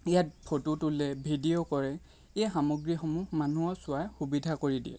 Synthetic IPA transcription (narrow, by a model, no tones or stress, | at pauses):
ijat̚pʰotutulɛbʱidiokɔɹɛ | examɔɡɹixɔmuxmanuɔsʊajxubidʱakoɹidḭɛ̰